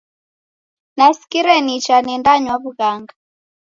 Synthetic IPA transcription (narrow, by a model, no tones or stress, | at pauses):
naskiɾɛnit͡ʃanɛndaɲwaβuɣaŋɡa